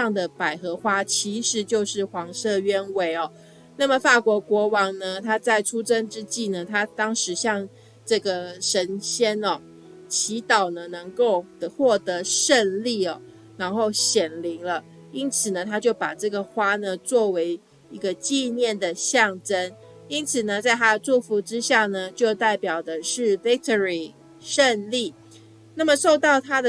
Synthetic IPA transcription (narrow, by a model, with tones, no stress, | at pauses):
ɑ˥˩ŋd̪ə˩pa˨˩ɪxɤ˧˥xwa˥t͡ɕʰi˧˥ʂɻ̩˧˥t͡ɕjo˥˧ʊʂɻ̩˥˩xwɑ˧˥ŋʂɤ˥˧ɥɛ˥nwe˧˥ɪɔ˨ | na˥˩mə˩fa˥˩kwɔ˧˥kwɔ˧˥wɑ˧˥ŋnə˧t̪ʰa˥t͡sa˥˩ɪʈ͡ʂʰu˥ʈ͡ʂə˥nʈ͡ʂɻ̩˥t͡ɕi˥˩nə˩t̪ʰa˥t̪ɑ˥ŋʂɻ̩˧˥ɕjɑ˥˧ŋ | ʈ͡ʂɤ˥˩ɡə˩ʂə˧˥nɕjɛ˥nɔ˨ | t͡ɕʰi˧˥t̪ɑ˨˩ʊnə˦nɤ˧˥ŋko˥˧ʊə˨˦xwɔ˥˩t̪ɤ˧˥ʂə˥˧nli˥˩ɔ˩ | na˧˥nxo˥˩ʊɕjɛ˨˩nli˧˥ŋlə˧ | i˥nt͡sʰɹ̩˨˩nə˦t̪ʰa˥t͡ɕjo˥˩ʊpa˨˩ʈ͡ʂɤ˥˩ɡə˨˩xwa˥nə˨t͡swɔ˥˩we˧˥ɪ | i˧˥ɡə˧t͡ɕi˥˧njɛ˥˩nd̪ə˩ɕjɑ˥˨ŋʈ͡ʂə˥n | i˦˥nt͡sʰɹ̩˨˩nə˦t͡sa˥˩ɪt̪ʰa˦də˨t͡su˥˧fu˧˥ʈ͡ʂɻ̩˥ɕja˥˩nə˩t͡ɕjo˥˧ʊt̪a˥˩ɪpjɑ˨˩ʊd̪ə˦ʂɻ̩˥˩fi˥k̚t̪ʰɔ˧ɹi˨˩ | ʂə˥˧nli˥˩ | na˥˩mə˨ʂo˥˧ʊt̪ɑ˥˩ʊt̪ʰa˥d̪ə˨